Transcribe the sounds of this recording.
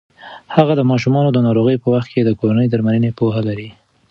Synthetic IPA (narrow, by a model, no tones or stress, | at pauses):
haɣad̪əmɑʃ̬umɑnod̪ənɑɾoɣəjpəwaxt̪̚kʰed̪əkoɾanəjd̪əɾmalənepoɦalaɾi